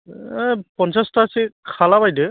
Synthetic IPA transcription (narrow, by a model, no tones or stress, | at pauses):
pɔnsastasikʰalabajdɯ